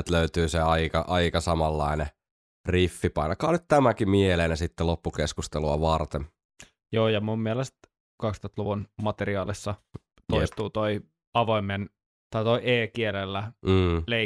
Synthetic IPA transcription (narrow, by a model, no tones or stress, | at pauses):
t̪løyt̪yːseɑikɑʔɑikɑsɑmɑlːɑine | rifːipɑinɑkɑːnyt̪t̪æmækimieleːnæsit̪ːelopːukeskust̪eluɑʋɑrt̪em | joːjɑmummielest̪ | kɑkst̪oˑt̪luʋunmɑt̪eriɑːlisːɑ | t̪oist̪uːt̪oi | ɑʋoimːen | t̪ɑit̪oiʔeːkielelːæːle